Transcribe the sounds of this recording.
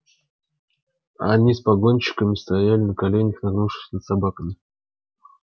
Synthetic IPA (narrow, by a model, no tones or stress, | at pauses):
a̰nʲispɐɡo̞nʲɕɪ̥kəmʲɪst̪ɐjælʲɪnəkɐlʲenʲəxnaɡnuʂɨ̥sʲnət̪sabakəmʲɪ